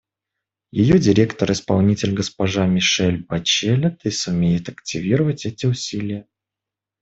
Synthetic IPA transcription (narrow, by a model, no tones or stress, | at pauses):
jɪjodʲɪɾʲe̞kt̪əɾɪspɐ̰lˠnʲitʲɪlʲɡəspɐʐamʲɪʂɛlʲbɐt͡ɕelʲət̪ɨsʊmʲeit̪ɐktʲɪvʲiɾəvətʲɛtʲɪʊsʲilʲɪjə